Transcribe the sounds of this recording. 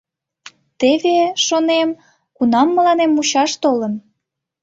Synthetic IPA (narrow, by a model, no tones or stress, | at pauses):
t̪eβeʃonem | kunɑmːəlɑnemut͡ɕɑʃt̪olən